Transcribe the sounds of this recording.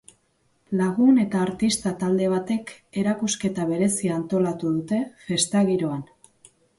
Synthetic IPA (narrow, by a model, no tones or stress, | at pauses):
laɣ̞une̞t̪aːɾt̪ist̪at̪ald̪e̞β̞at̪e̞ke̞ɾakuske̞t̪aβ̞e̞ɾe̞siant̪o̞lat̪uðut̪e̞fe̞st̪aɣiɾo̞an